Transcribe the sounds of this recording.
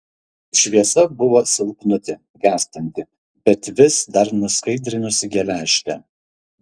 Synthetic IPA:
ʃʲʋʲiɛsɐbʊʋoːsʲɪlˠpnʊt̪ʲɪ | ɡʲæːˑsʲt̪ʲɪnʲt̪ʲɪ | bʲɛt̪ʲʋʲɪsd̪ɐɾnʊskɐɪd̪ʲɾʲɪnʲʊsʲɪɡʲɛlʲæːʃʲt̪ʲɛ

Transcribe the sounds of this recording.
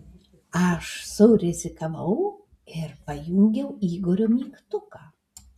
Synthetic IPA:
ɐʃsoɾʲɪzʲɪkɐʋɐw | kʲɛɾpɐjuŋʲɡʲɛwiːɡɔɾʲomʲiːkt̪ʊka

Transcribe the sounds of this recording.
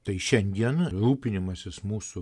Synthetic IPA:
t̪ɐɪʃʲɛnʲd̪ʲiɛnɾuːpʲɪnʲɪmɐsʲɪsmuːsʊ

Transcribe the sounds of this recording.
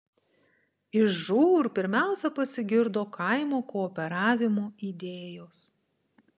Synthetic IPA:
ɪʃʒuːɾpʲɪɾʲmʲæˑʊsʲɛpɐsʲɪɡʲɪɾd̪oːkʰɐɪmoːkɔːpʲɛɾɑːʋʲɪmoːiːd̪ʲeːjoːs

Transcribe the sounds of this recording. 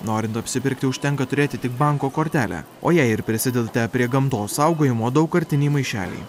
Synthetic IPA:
noːɾʲɪnt̪ɐpʲsʲɪpʲɪɾʲkt̪ʲɪʊʃʲt̪ʲɛŋkɐt̪ʊɾʲeːt̪ʲɪt̪ʲɪk̚bɐŋkoːkoːɾʲt̪ʲæːlʲæ̰ | o̰ːjɛɪɪɾpʲɾʲɪsʲɪd̪ʲɛd̪t̪ʲɛpʲɾʲiɛɡɐmt̪oːsɐʊɡoːjɪmoːd̪ɐʊkːɐɾʲt̪ʲɪnʲiːmɐɪʃʲæ̰ːlʲɛ̰ɪ

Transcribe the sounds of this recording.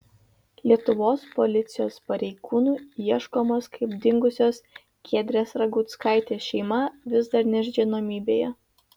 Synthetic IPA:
lʲiɛt̪ʊʋoːspɔlʲɪt̪sʲɪjoːspɐɾʲɛɪɡuːnuːiɛʃkoːmoːskʰɐɪbd̪ʲɪŋɡʊsʲoːs | kʲʰeːd̪ʲɾʲeːsɾɐɡuːt̪skɑˑɪt̪ʲeːʃʲɛɪmɐʋʲɪzd̪ɐɾnʲɛʒʲɡʲinoːmʲiːbʲeːjɛ

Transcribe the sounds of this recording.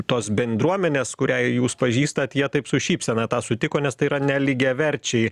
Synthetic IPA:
t̪oːsbʲɛnd̪ɾuɔmʲɛnʲeːskʊɾʲɛɪjuːspɐʒʲiːst̪ɐt̪jiɛt̪ɐɪpsʊʃʲiːpʲsʲɛnɐt̪ɑːsʊt̪ʲɪkoːnʲɛst̪ɐɪiːɾɐnʲɛlʲɪɡʲɛːʋʲɛɾʲt͡ʃʲɛɪ

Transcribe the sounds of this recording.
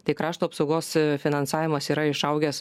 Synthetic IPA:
t̪ɐɪkɾɑːʃt̪uːɐpsɒʊɡoːsfʲɪnɐnsɑːʋʲɪmɐsiːɾɐɪʃɐʊɡʲɛs

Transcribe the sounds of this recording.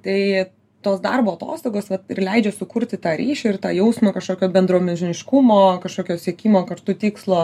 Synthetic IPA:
t̪ɐɪ | t̪oːsd̪ɐ̰rboːɐt̪o̰ːst̪oːɡoːsʋɐt̪ɪrlʲɛɪd͡ʒʲɛsʊkʊɾʲt̪ʲɪt̪ɑːɾʲiːʃʲɛɪrt̪ɑ̰ːjɛʊsmoːkɐʃkoːkʲoːbʲɛnd̪ɾuːmʲɛʒʲɪnʲɪʃkumoːkɐʃkoːkʲoːsʲiɛkʲiːmoːkɐʃt̪ʊt̪ʲiːkslˠoː

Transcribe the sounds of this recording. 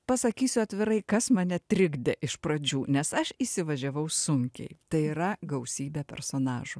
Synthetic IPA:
pɐsɐkʲiːsʲʊɐt̪ʲʋʲɪɾɐɪkɐsmɐnʲɛt̪ʲɾʲɪɡd̪ʲɛʔɪʃpɾɐd͡ʒʲuːnʲɛsɐʃiːsʲɪʋɐʒʲɛʋɐʊsʊŋʲkʲɛ̰ɪt̪ɐɪiɾɐɡɐʊsʲiːbʲeːpʲɛ̰ɾsoːnɑːʒʊ

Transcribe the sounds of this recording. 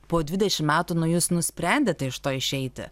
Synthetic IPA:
poːd̪ʲʋʲɪd̪ʲɛʃʲɪmmʲæːt̪uːnʊjuːsnʊsʲpʲɾʲɛnʲd̪ʲeːt̪ʲɛɪʃt̪oːɪʃʲɛɪt̪ʲɪ̰

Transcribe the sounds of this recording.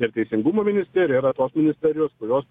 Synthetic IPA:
ɪɾt̪ʲɛɪsʲɪŋɡumoːmʲɪnʲɪsʲt̪ʲɛɾʲɪjoːɾɐt̪oːsmʲɪnʲɪsʲt̪ʲɛɾʲɪjoːskʊɾʲoːs

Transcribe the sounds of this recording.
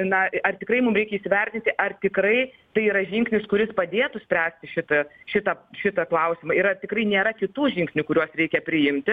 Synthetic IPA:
nɐɐrt̪ʲɪkrɐɪmʊmɾʲɛɪkʲɛiːsʲɪʋʲɛrʲt̪ʲɪnʲt̪ʲɪʔɐrt̪ʲɪkɾɐɪ | t̪ɐɪiɾɐʒʲɪŋksʲnʲɪskʊɾʲɪspɐd̪ʲeːt̪ʊsʲpʲɾʲæːsʲt̪ʲɪʃʲɪt̪ɐʃʲɪt̪ɐʃʲɪt̪ɐklˠɐʊsʲɪmɐɪɾɐt̪ʲɪkɾɐɪnʲeːɾɐkʲɪt̪uːʒʲɪŋʲksʲnʲʊkʊɾʲuɔsɾʲɛɪkʲɛpʲɾʲɪjɪmʲt̪ʲɪ

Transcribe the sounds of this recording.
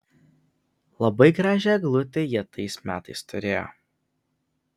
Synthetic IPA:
lˠɐbɐɪɡɾɑːʒʲɛˑɡlˠʊt̪ʲejiɛt̪ɐɪsmʲæːt̪ɐɪst̪ʊɾʲeːjo̰

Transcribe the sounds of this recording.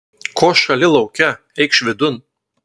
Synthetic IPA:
kʰoːʃɐlʲɪlˠɒʊkʲɛ | ɛɪkʃʲʋʲɪd̪ʊn

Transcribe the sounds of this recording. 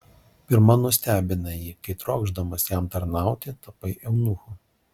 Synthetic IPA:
pʲɪɾmɐnʊsʲt̪ʲæːbʲɪnɐjiːkɐɪt̪ɾoːɡʒd̪ɐmɐsjæmt̪ɐɾnɑˑʊt̪ʲɪt̪ɐpɐɪʔɛʊnʊxʊ

